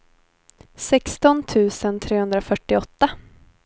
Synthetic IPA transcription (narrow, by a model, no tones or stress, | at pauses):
sɛkst̪ɔnt̪ʰʉ̟ːsənt̪ʰɾeːhɵnd̪ɾafœʈːɪɔt̪ːa